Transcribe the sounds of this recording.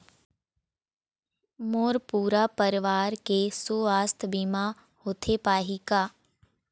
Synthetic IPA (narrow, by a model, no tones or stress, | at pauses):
moːɾpuːɾapəɾɪʋaːɾkesuaːst̪ʰbima | hoːt̪ʰepaːɦikaː